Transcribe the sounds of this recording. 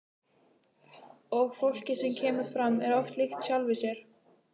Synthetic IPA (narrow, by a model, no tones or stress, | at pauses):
ɔɣfowl̥cɪsɛmcʰɛːmʏɾ̥fɾamːɛɾɔft̪lɪxt̪sjalvɪsjɛɾ̥